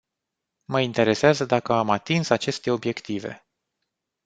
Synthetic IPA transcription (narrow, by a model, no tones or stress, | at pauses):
məint̪e̞ɾe̞seazəd̪akəamat̪insat͡ʃe̞st̪e̞o̞bje̞kt̪ive̞̰